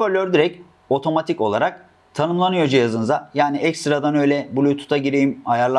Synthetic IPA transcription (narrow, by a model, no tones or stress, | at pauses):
spøɾlʲøɾd̪iɾɛc | o̞t̪ʰo̞mat̪ʰico̞lˠaɾak̚ | t̪ʰanɯmlˠanɯjo̞d͡ʒijazɯnɯzajaːniɛcst̪ɾad̪anø̞jlʲɛbulʲut̪ʰu̥t̪ʰaɟiɾejimajaɾlˠa